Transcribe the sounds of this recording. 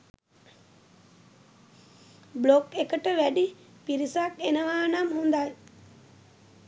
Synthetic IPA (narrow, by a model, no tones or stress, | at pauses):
blokekəʈəʋæɗi | piɾisakenəʋaːnamɦund̪aɲ